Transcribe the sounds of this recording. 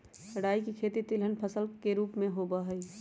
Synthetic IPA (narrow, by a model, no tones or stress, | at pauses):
əɽaːikikʰeːt̪it̪ɪlɦənpʰəsəlkeɾuːpmẽɦoːbaɦəi